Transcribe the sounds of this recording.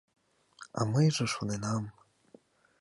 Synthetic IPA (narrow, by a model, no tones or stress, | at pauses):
ɑ̰məjʒɤ̆ʃonenɑm